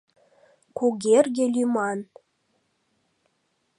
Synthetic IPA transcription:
kuɡʲerɡʲelʲymɑn

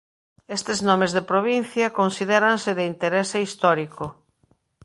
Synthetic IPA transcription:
est̪eznɔmezðepɾoβ̞in̟θjɐkonsiðɛɾansɪðeint̪eɾeseist̪ɔɾikʊ

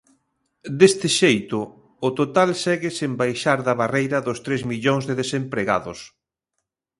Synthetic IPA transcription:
d̪est̪ɪʃejt̪ʊː | t̪ot̪alsɛɣɪsembajʃaɾðɐβarejɾɐðost̪ɾezmiʎoŋzðeðesempɾeɣa̰ðʊs

